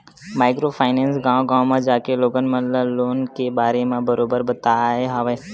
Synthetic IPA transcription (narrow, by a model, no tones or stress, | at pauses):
maːɪkɾopʰaːɪneːnsɡãːõɡãːwmãd͡ʒaːkeloːɡənmə̃ləloːnkebaːɾemẽbəɾoːbəɾbət̪aɦeɦaʋe